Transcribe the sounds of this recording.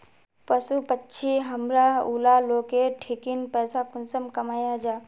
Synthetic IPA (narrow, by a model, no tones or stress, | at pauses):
pəsupətːʃʰiɦəmɾaulaloːkeʈʰikinpɛːsakʊnsəmkɐmaːjad͡ʒaː